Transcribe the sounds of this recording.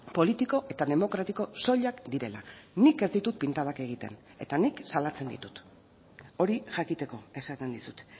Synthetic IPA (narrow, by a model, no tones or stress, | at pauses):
po̞lit̪iko̞ʔe̞t̪aðe̞mo̞kɾat̪iko̞so̞ʎakd̪iɾe̞la̰nike̞zd̪it̪ut̪̚pint̪aðake̞ɣ̞it̪e̞̰n | e̞̰t̪aniksalat͡se̞nd̪ḭt̪u̥t̪ | o̞ɾiʝakit̪e̞ko̞e̞sat̪end̪isut̪